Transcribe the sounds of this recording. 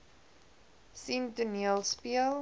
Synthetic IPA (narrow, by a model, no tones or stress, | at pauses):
simtuniəlˠspiəlˠ